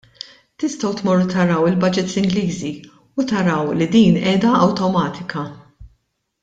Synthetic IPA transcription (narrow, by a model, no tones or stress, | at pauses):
t̪ɪst̪ɐwt̪mɔɾːʊt̪ɐɾɐwɪlbɐd͡ʒɪt̪sɪŋɡliːzi | ut̪ɐɾɐwlid̪iːnɛːd̪ɐɐwt̪ɔmɐːt̪ʰɪkɐ